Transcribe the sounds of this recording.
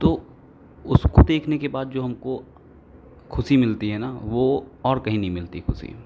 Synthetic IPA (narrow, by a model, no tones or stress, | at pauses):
t̪oː | ʊskod̪eːkʰnekebaːd̪̚d͡ʒoːɦɐmko | kʰʊsimɪlt̪iɦɛnaːʋoɔːɾkɐɦĩnɐɦĩmɪlt̪ikʰʊsḭ